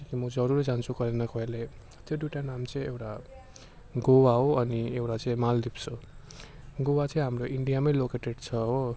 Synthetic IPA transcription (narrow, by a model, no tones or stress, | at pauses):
kimʌd͡zʌɾuɾd͡zant͡sʰukʌɾenʌkʌɦele | t̪joɖjuʈanamt͡sʌĩewʈa | ɡowaɦoʌniewʈat͡sʌĩmald̪ipso | ɡowat͡sʌĩɦamroʔiɳɖijamʌjlokeʈeɖt͡sʰʌɦo